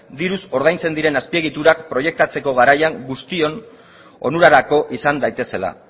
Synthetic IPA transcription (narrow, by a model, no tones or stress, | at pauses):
d̪iɾuso̞ɾð̞ajnt͡se̞nd̪iɾe̞naspie̞ɣ̞it̪uɾakpɾo̞je̞k̚t̪at͡se̞ko̞ɣ̞aɾajaŋɡust̪io̞n | o̞̰nuɾaɾako̞ʔisand̪ajt̪e̞se̞la̰